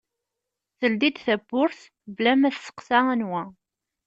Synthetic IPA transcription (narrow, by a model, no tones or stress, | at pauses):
θəld̪id̪θæbːʊɾθ | blæmæθsə̥qsæænwæ